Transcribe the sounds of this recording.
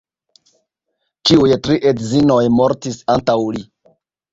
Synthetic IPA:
t͡ʃiujtɾiʔedzino̞jmo̞ɾtisantawli

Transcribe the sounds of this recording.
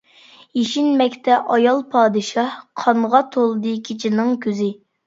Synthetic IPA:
jeʃinmɛkʲt̪ʰɛʔɑjɑlˠpʰɑːd̪ɨʃɑhqʰɑɴʁɑt̪ʰolˠd̪ɨkʲʰit͡ʃʰinɨŋkʲʰøzɪ

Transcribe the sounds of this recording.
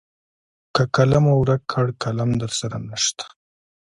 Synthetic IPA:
kakalamawɾakʰːaɽkalamd̪əɾsaɾanəʃt̪ḁ

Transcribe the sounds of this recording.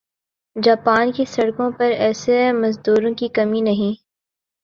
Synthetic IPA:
d͡ʒaːpaːnkesɐɽkõpɐɾɛːsemɐzd̪uːɾõkikɐminɐɦĩː

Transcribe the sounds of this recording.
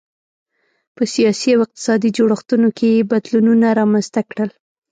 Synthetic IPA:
pəsijɑsiawɪq̚t̪ɪ̥sɑd̪id͡ʒoɽaxt̪unokʰejebad̪lununaɾɑmanzt̪akɽəl

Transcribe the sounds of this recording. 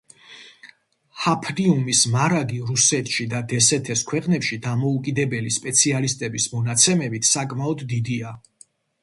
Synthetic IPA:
hapʰɾiumismaɾaɡiɾusɛt̪ʰʃid̪ad̪ɛsɛt̪ʰɛskʰwɛqʼnɛpʃid̪amɔukʼid̪ɛbɛlispʼɛt̪sʰialist̪ʼɛbismɔnat̪sʰɛmɛbit̪ʰsakʼmaɔd̪ːid̪ia

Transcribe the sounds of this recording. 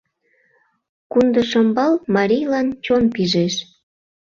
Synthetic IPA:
kund̪əʃəmbɑlmɑɾʲijlɑnt͡ɕonpiʒeʃ

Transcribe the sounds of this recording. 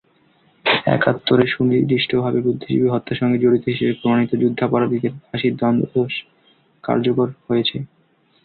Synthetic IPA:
ɛ̰kat̪ːoɾeʃunid̪iʃʈʰobʱabebɾud̪ʱːiʃḭbiɦɔt̪ːaʃɔŋɡed͡ʑoɽit̪oɦiʃebepɾomañit̪od͡ʑud̪ʱːapaɾab̪ik̪eɾaʃiɾd̪ɔnd̪oʃ | ka̰ɾd͡ʑokoɾhojet͡ɕʰe

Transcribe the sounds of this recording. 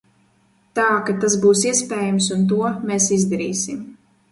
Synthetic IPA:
t̪aːkat̪azbuːsiɛspʲɛːjams̬unt̪̬uɔmeːsizd̪aɾiːsim

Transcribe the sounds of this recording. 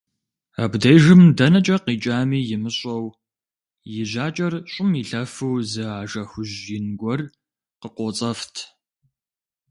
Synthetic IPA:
abdɐjʒɨmdɐnɐt͡ʃʼɐqiːt͡ʃʼaːmiːjɪmɨɕʼɐw | jɪʒaːt͡ʃʼɐrɕʼʊmiɬɐfɨwzɨaːʒɐxʷʊʑjɪnɡʷɔr | qəqʷɔːt͡sʼɐftʰ

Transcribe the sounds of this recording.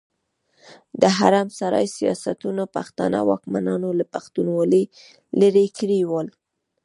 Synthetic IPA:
d̪əɦaɾamsaɾɑ̰jsijɑsat̪unopaxt̪ɑ̰na̰wɑkmanɑnolapaxt̪unwɑle | ləɾekɾiwəl

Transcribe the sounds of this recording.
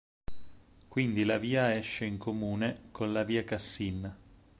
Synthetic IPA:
kwind̪ilaviːaɛʃːeiŋkomuːnekʰonlaviːakasːinːa

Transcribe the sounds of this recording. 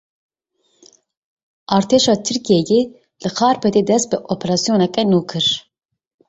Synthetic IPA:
ʔɑːɾt̪ʰeːʃɑːt̪ʰɨɾkijɛje | lɨxʰɑːɾpʰɛt̪eːd̪ɛst̪̚bɨʔopʰɛɾɑːsijoːnɛkɛnuːkʰɨɾ

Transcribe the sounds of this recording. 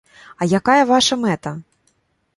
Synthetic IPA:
ɐjakajɐvaʂɐmɛt̪ɐ

